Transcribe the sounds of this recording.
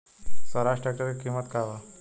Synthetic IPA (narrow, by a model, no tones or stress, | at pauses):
səɾasʈak̚ʈəɾekimət̪kaʋa